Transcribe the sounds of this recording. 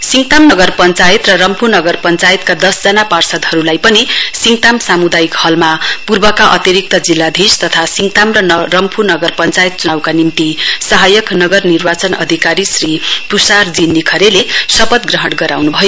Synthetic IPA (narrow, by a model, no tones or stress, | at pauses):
siŋɡt̪amnʌɡʌrpʌnt͡sajet̪rʌɾʌmpʰunʌɡʌrpʌnt͡sajʌt̪kad̪ʌsd͡zʌnaparsʌd̪ɦʌɾulajpʌnisiŋɡt̪amsamud̪ajikhʌlmapurbʌkaʔʌ̰t̪jiɾik̚t̪ʌd͡zilːad̪ʱist̪ʌt̪ʰasiŋt̪amrʌnʌrʌmpʰunʌɡʌrpʌnt͡sajt̪̚t͡sunawkanimt̪isʌɦajʌknʌɡʌrnirbat͡sʌnʌ̰d̪ʱikaɾisripusard͡zinːikʰʌɾelesʌpʌd̪̚ɡrʌɦʌʈɡʌɾawnubʱʌjo